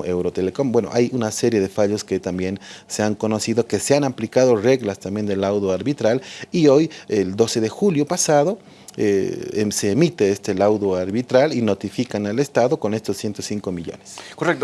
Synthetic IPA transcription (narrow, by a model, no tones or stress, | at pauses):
ewɾo̞t̪eleko̞mbwe̞no̰ʔajunase̞ɾje̞ð̞e̞faʎo̞ske̞t̪ambje̞nseaŋko̞no̞siðo̞ke̞seanamplikaðo̞re̞ɣlast̪ambje̞nd̪elawðoaɾβit̪ɾalio̞jeld̪o̞se̞ðe̞xuljo̞pasaðo̞ | ese̞ːmit̪e̞est̪e̞lawðoaɾβit̪ɾalino̞t̪ifikanale̞st̪aðo̞ko̞ne̞st̪osːjent̪osiŋko̞miʎo̞̰ne̥skorek̚t̪o